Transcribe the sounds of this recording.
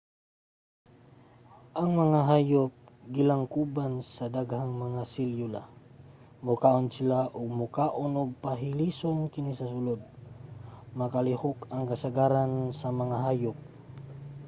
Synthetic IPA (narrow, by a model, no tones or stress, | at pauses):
ʔɐŋmɐŋaɦaːjʊp̚ɡɪlaŋkubansɐd̪aɡhaŋmɐŋasɪljʊla̰ | mʊkaʔonsɪlaʔʊɡ̚mʊkaːʔonʊɡ̚paɦɪlisoŋkɪnisɐsʊlod̪̚ | mɐkalɪhʊkɐŋkɐsaɡaɾansɐmɐŋaɦaːjʊp̚